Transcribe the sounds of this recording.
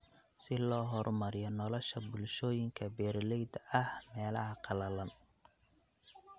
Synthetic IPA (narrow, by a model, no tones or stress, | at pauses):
sɪlɔːɦɔrmɐɾɪjɔnɔlɔʃɐbʊlʃɔːjɪŋkʰɐbɛːɾlɛjd̪ɐʔɐhmɛːlɐɦɐqʰɑlɐlɐn